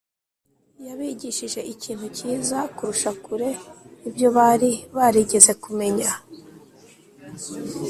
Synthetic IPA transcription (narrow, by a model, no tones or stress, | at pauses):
jaβiɟiʃiʒe̞iciːn̥huciːzakuɾuʃakuɾe̞ibjo̞βaɾiβaɾiɟe̞ze̞kume̞ɲa